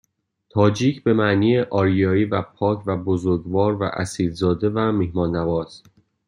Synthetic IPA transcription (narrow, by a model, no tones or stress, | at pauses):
t̪ʰɒːd͡ʒiːcʰbe̞mæʔniːjeʔɒːɾijɒːiːvæpʰɒːcʰvæbozoɾɡvɒːɾvæ̰ʔæsiːd̪zɒːd̪e̞væmihmɒːnːævɒːs